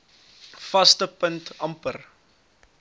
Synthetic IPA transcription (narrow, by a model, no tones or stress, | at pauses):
fɐstəpəntɐmpər